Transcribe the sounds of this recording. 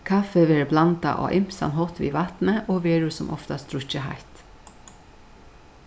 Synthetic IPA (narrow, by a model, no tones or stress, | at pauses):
kʰafəʋeːɹblant̪a̰ʔo̰ːʔɪmsɑ̰nɦɔt̪ʋḭːʋɑt̪nəʔoːʋeːɹʉsɔmʔɔ̰ft̪ast̪ɾʊçəha̰ɪt̪